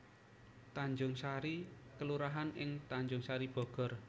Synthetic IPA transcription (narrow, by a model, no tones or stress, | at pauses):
t̪aɲd͡ʒʊŋsaɾikəluɾaɦanʔɪŋt̪aɲd͡ʒʊŋsaɾib̥ɔ̤ɡ̥ɔ̤r